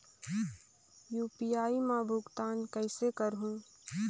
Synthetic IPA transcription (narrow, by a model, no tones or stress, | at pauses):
juːpijaːimãbʱʊɡt̪aːnkɛɪsekəɾɦũː